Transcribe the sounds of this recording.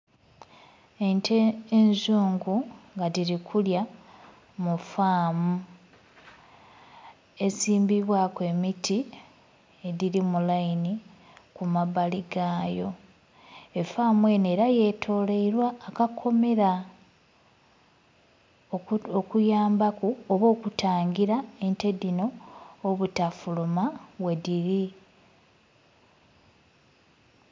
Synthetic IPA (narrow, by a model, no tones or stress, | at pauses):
entʰeenzuːŋɡuŋɡadiɾikʰulja | mufaːmu | e̞siːmbiβwakwe̞miti | ediɾimulaini | kumaβaliɡaːjo̞ | efaːmwe̞ːne̞ːɾaje̞tʰo̞ːle̞iɾwaːkakʰo̞me̞ɾa | okujaːmbakuoβo̞ːkutaːŋɡiɾae̞nte̞dino̞ːβutafulumaβwe̞diɾi